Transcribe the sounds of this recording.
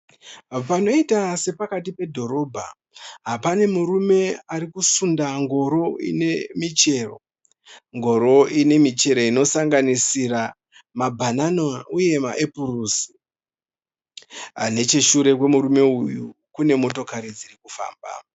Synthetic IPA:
pano̞itase̞pakatipe̞dʱo̞ɾo̞bʱa | ɦapane̞muɾume̞aɾikusundaŋɡo̞ɾo̞ḭne̞mit͡ʃe̞ːro̞̰ | ŋɡo̞ɾo̞ine̞mit͡ʃe̞ɾo̞ino̞saŋɡanisira | mabʱananouje̞ma̰ʔepuruːsi̥ | a̰ne̞t͡ʃeʃuɾe̞kwe̞muɾume̞ujukune̞mo̞to̞kaɾid͡zirikufa̰ːmba̰

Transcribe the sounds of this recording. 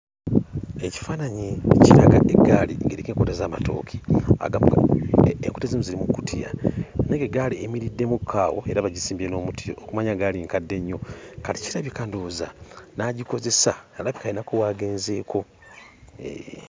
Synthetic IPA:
eci̥faːnaɲiciɾaɡa̰ʔeɡaːlḭŋɡeɾikeːŋkotazaːma̰to̞̰ːkʰi̥a̰ɡam | ḛŋku̥tezimuziɾimukutʰia̰neŋɡeɡaliemiɾidːe̞mukʰːaːwo̞̰e̞ɾaβaɟisiːmbieno̞ːmutijo̰okumaɲaɡaliŋkadːe̞ɲːo̞kati̥ciɾaβikandoza̰naɟiko̞ze̞sanalaβikalinakowaːɡeːnze̞ːkʰo̞

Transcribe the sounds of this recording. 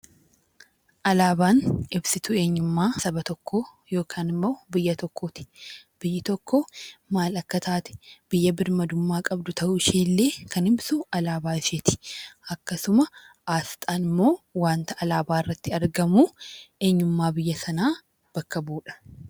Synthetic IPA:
ʔɐlaːbaːnɪbsɪt̪ʊe̞ːɲːʊmːaːsɐbɐt̪ɔkʰːoː | jo̞ːkʰaːnɪmːo̞ːbɪjːɐt̪ɔkʰːoːt̪ɪ̥b̥ɪjːɪt̪ɔkːoːmaːlɐkːɐt̪ʰaːt̪ɛ̥b̥ɪjːɐbɪɾmɐd̪ʊmːaːkʼɐbd̪ʊt̪ʰɐʔʊɪʃiːlːe̞ːkʰɐnɪbsʊɐlaːbaːɪʃet̪ɪ̥ʔɐkːɐsʊmɐ | ʔaːst̪ʼaːnɪmːo̞ːwaːnt̪ɐʔɐlaːbaːɪrːɐt̪ːɪɐɾɡɐmuːʔe̞ːɲːʊmːaːbɪjːɐsɐnaː | b̥ɐkːɐbuːᶑɐ̥

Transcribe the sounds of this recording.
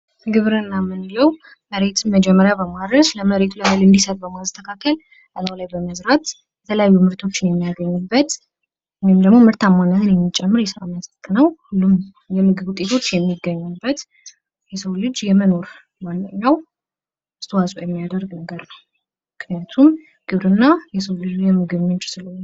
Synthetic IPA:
ɡɨβɾɨnːamɨnjɛw | məɾe̞t̪ʰɨnməd͡ʒɛmːəɾjabəmad̪ɾəsləməɾe̞t̪ʰuləalɨnd̪isət̪̚bəmast̪ʰəkʰakːəl | ʔəlawlajbəməzɾat̪ | jɛt̪ʰələjajːumɨɾt̪ʰo̞t͡ʃːɪnjɛmːijaɡəɲːubːət̪ | wɔjmd̪əɡmo̞mɨɾt̪ʰamːanːat̪ʰɨnjɛmːit͡ʃʼːɛmːɨɾjɛsəɾa̰məsək̪ʼːnəwhulːum | jɛmɨɡɨβut̪ʼet̪ʰo̞t͡ʃːjɛmːiɡːəɲːubːət̪ | jɛsəwlɨd͡ʒjɛməno̞ɾ | manːɨɲːaw | ɨst̪ʰwasʼujɛmːijad̪əɾɡnəɡəɾnəw | mɨknijat̪ʰum | ɡ̥ɨβɾɨnːajɛsəwlɨd͡ʒujɛmɨɡɨβmɨnt͡ʃsɨlu

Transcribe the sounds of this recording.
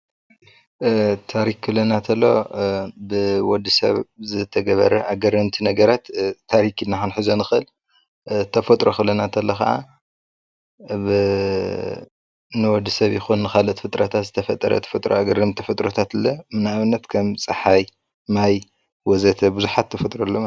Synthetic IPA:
t̪ʰaɾikːʰɨlːɐnat̪ʰɐlːo̞̰bɨwɔd̪ːisɐ̰βzɨt̪ʰɐɡɐβɐɾɐʔaɡɐrɐmt̪ʰinɐɡɐɾat̪ːʰaɾikinːaxɨnħɨzonɨxɨʔɨl | t̪ʰɐfɐt̪ʼɾoxɨlɐnat̪ʰɐlːoxɐ̰ʔa̰ | bɨ | nɨwɔd̪ːisɐβjɪxunːɨxalot̪fɨt̪ʼɾɐt̪ʰat̪zɨt̪ʰɐfɐt̪ʼːɐ̰ɾɐ̰t̪ʰɐ̥fɐt̪ʼɾoaɡɐrːɐmt̪ʰifɨt̪ʼɾot̪ʰat̪ɨlːɐmɨnaaβɨnːɐt̪kʰɐmt͡sʼɨħaj | maj | wɔzɐt̪ʰɐbuzuħat̪ʰːɐfɐt̪ʼɾolːom

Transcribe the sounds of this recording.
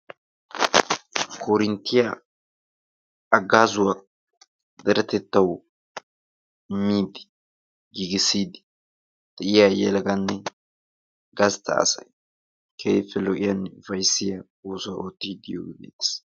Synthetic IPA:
kʰɔɾɪnt̪ːɪja | ɐɡːaːzʊwɐ | d̪ɛɾɐt̪ɛt̪ːɐw | mːiːd̪ɪ̥ | ɡiːɡɪsːiːd̪ɪ̥ | d̪̥ɛʔɪjajɛlɡɐnːɛ | ɡɐst̪ʰɐ̰ːsɐ̰j | kʰɛjfːɛlɔʔɪjɐnfɐjsːɪjɐ | uːsʊɐʔoːt̪ːiːd̪ɪjo̰ɡɪɡḭd̪ɪ̥s

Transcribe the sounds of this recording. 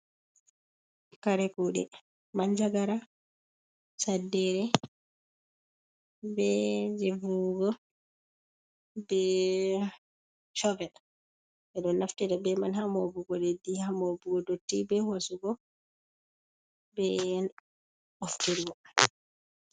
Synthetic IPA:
kaɾɛkuɗɛ̰ | mand͡ʒaɡaɾa | sadːɛɾɛ | bɛd͡ʒevuɡɔ | bɛ | t͡ʃɔvɛɗ | ɛɗɔnːaftɛɾɛbɛmanhamobuɡɔɗɛdihamobuɡɔdotːibɛhosuɡɔ | bɛn | ɔfteɾiɡɔ

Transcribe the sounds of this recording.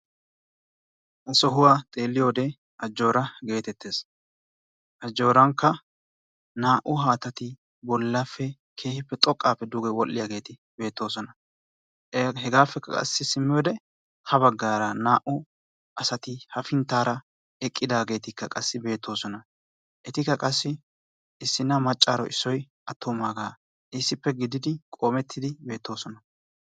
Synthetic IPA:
ʔɐsɔɦʊwaːt̪ʼe̞ːlːɪjo̞ːd̪ɛ | ʔɐd͡ʒːo̞ːɾɐɡe̞ːt̪ɛt̪ːe̞ːs | ʔɐd͡ʒːo̞ːɾɐŋkːɐ | naːʔʊɦaːt̪ɐt̪ɪ | bɔlːafːɛ | kʰe̞ːhɪpːɛt̪ʼɔkʼːaːfːɛd̪uːɡɛwɔlːɪjaːɡe̞ːt̪ɪ | be̞ːt̪ːo̞ːsɔnɐ | ɦɛɡaːfːɛkːɐ̰kʼɐ̰sːɪsɪmːɪjoːd̪ɛ | hɐβɐɡːaːɾɐnaːʔʊ | ʔɐsɐt̪ɪhɐfɪnt̪ːaːɾɐ | ɛkʼːɪd̪aːɡe̞ːt̪ɪkːɐkʼɐsːɪbe̞ːt̪ːo̞ːsɔnɐ | ʔɛt̪ɪkːɐkʼɐsːɪ | ɪsːɪnːɐmɐt͡ʃʼːa̰ːɾɔ̰ʔɪsːɔj | ʔɐt̪ːɔmaːɡaː | ɪsːɪpːɛɡɪd̪ɪd̪ɪkʼo̞ːmɛt̪ʰːɪd̪ɪbe̞ːt̪ːo̞ːsɔnɐ

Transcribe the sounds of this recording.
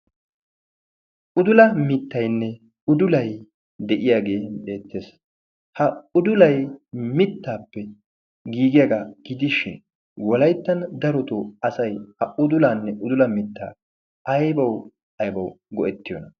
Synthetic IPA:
ʔʊd̪ʊlɐmɪt̪ːɐjnːɛ | ʊd̪ʊlɐj | d̪ɛʔɪjaːɡe̞ːbe̞ːt̪ːe̞ːs | hɐʊd̪ʊlɐjmɪt̪ːaːpːɛ | ɡiːɡɪjaɡaɡ̥ɪd̪ɪʃɪ̰n | wɔlɐjt̪ːɐnd̪ɐɾɔt̪oɐsɐjhɐʊd̪ʊlaːnːɛʔʊd̪ʊlɐmɪt̪ːa̰ː | ɐjbɐw | ɐjbɐw | ɡɔʔɛt̪ːɪjɔnɐ

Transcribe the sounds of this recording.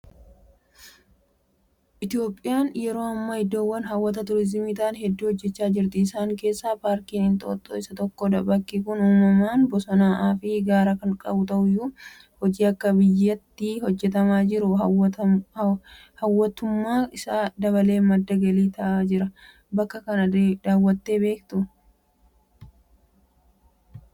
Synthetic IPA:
ʔɪt̪ɪo̞ːpʼːɪjaːnjɛɾo̞ːɐmːɐhɛd̪ːoːwːɐnɦɐwːɐt̪ɐt̪ʊɾɪzɪmiːt̪aːnɦɛd̪ːuːhɔd͡ʒːɛt͡ʃːaːd͡ʒɪɾt̪ɪːsaːŋke̞ːsːaːpaːɾkiːnɪnt̪ʼo̞̰ːt̪ʼːo̰ːɪsɐt̪ɔkːoːd̪ɐbɐkːiːkʊnhʊːmːɐmaːnbɔsɔnaːʔaːfɪɡaːɾɐkɐŋkʼɐbʊt̪ɐʔʊjːuː | hɔd͡ʒiːɐkːɐbɪjːɐt̪ːiːhɔd͡ʒːɛt̪ɐmaːd͡ʒɪɾʊ | hɐwːɐt̪ʊmːaːɪsaːd̪ɐβɐle̞ːmɐd̪ːɐɡɐliːt̪ɐʔaːd͡ʒɪɾɐ | bɐkːɐkɐnɐd̪aːwːɐt̪ːe̞ːbe̞ːkt̪ʊ

